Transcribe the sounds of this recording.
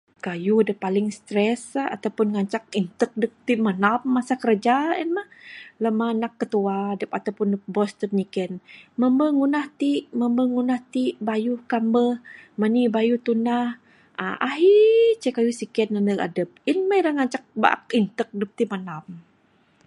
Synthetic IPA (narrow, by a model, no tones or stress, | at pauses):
kajudəpalɪŋst̪ɾɛsa̰t̪awpʊnŋaɲt͡ʃak̚int̪ək̚dəp̚t̪imanamːasakəɾəd͡ʒaənmahləmanakːət̪uadəpat̪awpʊnəbɔst̪ərɲikɛnməmbəŋunaht̪iʔməmbəŋunaht̪iʔbajuhkambəhmənibajut̪unah | a̰ʔaɦit͡ʃəkajusikɛnːanəla̰dəp̚inmajdaŋaɲt͡ʃak̚ba̰ʔa̰kint̪ək̚dəp̚t̪imanam